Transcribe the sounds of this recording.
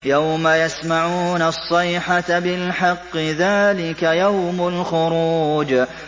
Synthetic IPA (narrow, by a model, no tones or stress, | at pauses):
jawmajasmaʕuːnɑsˤːɑjħatbɪlħɑqːɨðaːlɪkajawmʊlxʊɾuːd͡ʒ